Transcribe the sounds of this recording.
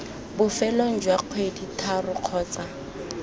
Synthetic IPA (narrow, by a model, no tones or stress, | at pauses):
bʊfɛlon̩d͡ʒwaq͡χʰweditʰarʊq͡χʰɔːt͡sa